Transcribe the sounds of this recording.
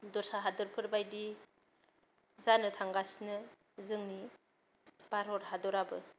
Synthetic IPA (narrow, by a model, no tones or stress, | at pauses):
dɔsaɦadɯɾpʰɯɾbajdi | zanɯtʰaŋɡasnɯ | zɯŋni | b̥aɾɔɾɦadɔɾabɯ